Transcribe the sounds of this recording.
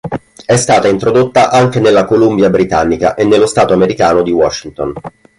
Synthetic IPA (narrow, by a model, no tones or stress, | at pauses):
ɛst̪aːt̪aint̪ɾod̪ot̪ːaʔaŋk̟enelːakolumbjabɾit̪anːika̰ʔenːelːost̪aːt̪oameɾikaːnod̪iwɔʃːint̪on